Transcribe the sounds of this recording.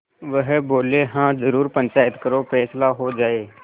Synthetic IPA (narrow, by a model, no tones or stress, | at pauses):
ʋəɦboːleɦãːzəɾuːɾpə̃ɲt͡ʃaːɪt̪kəɾofɛːslaɦod͡ʒaːeː